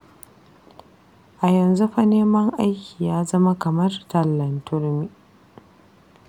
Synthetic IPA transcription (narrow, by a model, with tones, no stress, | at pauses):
ʔa˨jɐ˨nzu˦ɸɐ˦neː˦mɐ˦ŋʔa˦jkʲiː˨jaː˦zɐ˦ma˦kɐ˨mɐ˦rtɐ˨lːɐ˨ntʊ˦ɾmi˦